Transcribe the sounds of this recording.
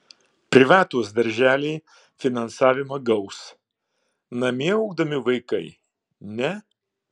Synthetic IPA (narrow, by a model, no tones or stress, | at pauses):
pʲɾʲɪʋɑːt̪uɔsd̪ɐɾʲʒʲæːlʲeː | fʲɪnɐnsɑːʋʲɪmɐɡɐʊs | nɐmʲiɛɐʊɡ̚d̪ɐmʲɪʋɐɪkɐɪ | nʲɛ